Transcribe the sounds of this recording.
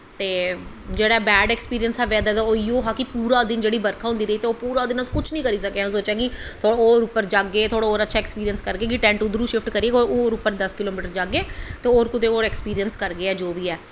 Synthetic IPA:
t̪eː | d͡ʒeːɽaːbɛːɖɛːkspiːɾijənsɦɛːʋɛːd̪aːd̪aoːijoːɦaːkɪpuːɾaːd̪ɪnd͡ʒeːɽiːbəɾkʰaːɦʊ̃nd̪iːɾəiːt̪eːoːpuːɾaːd̪ɪnəskʊt͡ʃʰnəĩːkəɾiːsəkeɛ̃soːt͡ʃãːkɪt̪ʰoːɽaoːɾʊpəɾd͡ʒaːɡeːt̪ʰoːɽaːoːɾətːʃʰaːɛkspiːɾijənskəɾɡeːkiʈɛ̃ːɳʈʊd̪ɾũːʃɪfʈkəɾiɛːkoːɾʊpːəɾd̪əskɪloːmiːʈəɾd͡ʒaːɡeːt̪eːoːɾkʊt̪eːoːɾɛːkspiːɾijənskəɾɡeːɛːd͡ʒoːbiːɛː

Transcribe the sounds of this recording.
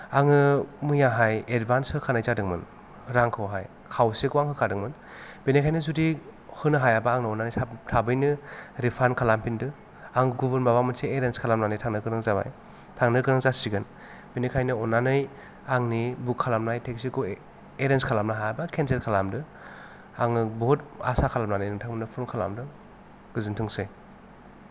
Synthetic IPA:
aŋɯmɯjaɦajedbansɯkʰanajzadɯŋmɯ̰n | ɾaŋkʰɯwɦaj | kʰawsekuaŋhɯkʰadɯŋmɯn | b̥enekʰajnɯzudihɯnɯɦajabaːŋnɯɔnanɯjʰtʰabɯjnɯɾipʰankʰalampʰindɯ | aŋɡubɯɾnbaβamɯnseeɾenskʰalamnanɯjtʰaŋnɯkɯnɯŋzaba̰j | tʰaŋnɯɡɯnɯŋzasiɡɯn | benekʰajnɯɔnːanɯj | aŋnibukʰːalamnajtʰek̚siku | eɾenskʰalamnɯɦajabakʰenselkʰalamdɯ | aŋɯbɔɦut̚a̰sakʰalamnanɯjnɯŋtʰaŋmɯnɯpʰuɾŋkʰala̰mdɯ | ɡ̥ɯzintʰɯŋsɯj

